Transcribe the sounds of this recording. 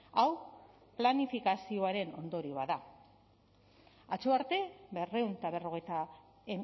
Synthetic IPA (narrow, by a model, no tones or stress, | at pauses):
aw | planifikasio̞aɾe̞no̞̰nd̪o̞ɾiβaða | at͡ʃoaɾt̪e̞βe̞re̞unt̪aβe̞ro̞ɣ̞e̞jt̪a | e